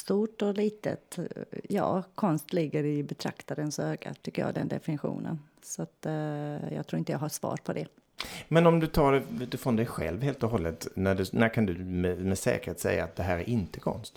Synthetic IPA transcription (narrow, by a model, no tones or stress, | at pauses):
st̪uːʈɔliːt̪ə̰t̪jɑːkʰɔnst̪lɪɡːəɾɪbɛt̪ʰɾa̰kt̪aɾənsøːɡa̰t̪ʰʏkːəjɑ̰ːɡd̪ɛnd̪ɛfɪnɪɧṵːnə̰n | sat̪jɑːɡt̪ʰɾuːɾɪnt̪əjɑːɡɦaʂvɑ̰ːɾpʰɔd̪ɛ | mɛnɔmd̪ɵt̪ʰɑːɖɛd̪ɵfɾɔnd̪ɛjɧɛ̰lvheːlt̪ɔɦɔlːət̪næɖɵnækʰand̪ɵmɛmɛsɛ̰ːkəɾheːt̪sɛjːaːt̪̚d̪ɛɦæːɾæɾʔɪnt̪əkʰɔ̰nst̪